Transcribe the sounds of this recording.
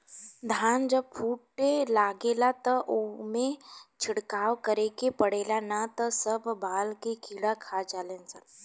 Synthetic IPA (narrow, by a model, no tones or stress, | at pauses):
d̪ʱand͡ʑəb̚fuʈelaɡelat̪əʔomet͡ʃʰiɽkawkəɾekepəɽelanat̪əsəbbalkekiɽakʰad͡ʒalent͡sat̪